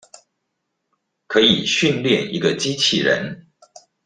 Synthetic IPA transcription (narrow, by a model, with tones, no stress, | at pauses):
kʰɤ˧˥ḭ˨˩ɕy˥˧nljɛ˥˨nḭ˧˥ɡə˧t͡ɕi˥t͡ɕʰi˥˩ɻə̰˧˥n